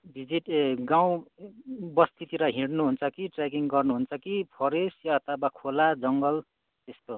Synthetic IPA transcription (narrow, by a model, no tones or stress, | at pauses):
bʱid͡ziʈɡaw̃ | bʌst̪ʰit̪iɾʌɦiɽnuɦunt͡sʰʌkiʈrakiŋɡʌrnuɦunt͡sʰʌkipʰʌɾesjʌːt̪ʰʌbakʰolad͡zʌŋɡʌl | t̪est̪o